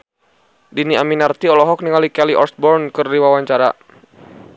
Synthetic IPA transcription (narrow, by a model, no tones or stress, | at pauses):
diniaminart̪iɔlɔɦɔk̚niŋalikɛliʔɔ̰rsbɔrnkɨrdiwawaɲt͡ʃaɾa̰